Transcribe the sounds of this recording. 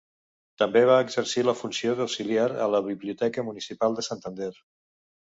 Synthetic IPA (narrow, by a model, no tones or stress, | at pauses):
t̪əmbeβ̞aəɡzəɾsiləfunsioðawsiliaɾə̰ləβiβliut̪ɛkəmunisipalˠd̪əsant̪ənd̪ɛɾ